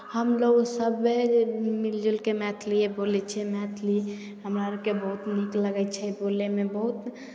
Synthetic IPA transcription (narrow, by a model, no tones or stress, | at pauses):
həmloɡsəbemild͡ʒilkemɛt̪ʰliebolɛt͡ʃʰɛmɛt̪ʰli | ɦəmɾaɾəkebəɦut̪nikləɡɛt͡ʃʰɛbolemebəɦut̪